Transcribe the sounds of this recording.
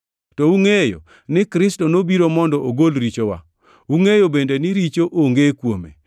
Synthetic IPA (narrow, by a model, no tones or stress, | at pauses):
tɔuŋejo̰ | nɪkɾɪstɔnobiɾomɔndɔʔoɡolɾit͡ʃowa̰ | uŋejobendenɪɾit͡ʃoʔoŋɡekwomḛ